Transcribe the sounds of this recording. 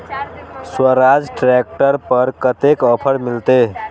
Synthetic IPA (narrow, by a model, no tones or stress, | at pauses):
swəɾad͡zʈɾek̚ʈəɾpəɾkət̪ekəpʰəɽmilt̪e